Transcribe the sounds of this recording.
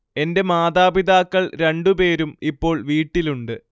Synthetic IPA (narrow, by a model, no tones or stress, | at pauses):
e̞nde̞maːðaːbiðaːkːɐɭɾe̞ɳɖupe̞ːɾumipːo̞ːɭʋiːʈːiluɳɖɨ